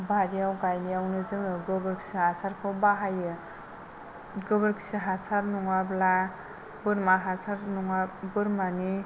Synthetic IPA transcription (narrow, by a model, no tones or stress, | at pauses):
baɾiawɡajnijawnɯzɯŋɯɡɯbɯɾksihasaɾkʰawbaɦajɯ | ɡɯbɯɾksiɦasaɾnuŋabla | bɯɾmaɦasaɾnuŋabɯɾmani